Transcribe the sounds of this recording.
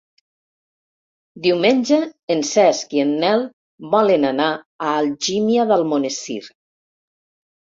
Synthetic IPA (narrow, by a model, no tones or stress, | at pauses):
d̪iwmenʲd͡ʒəensɛskienːɛl | βɔlenana | aːlʒimjaðəlˠmonesḭɾ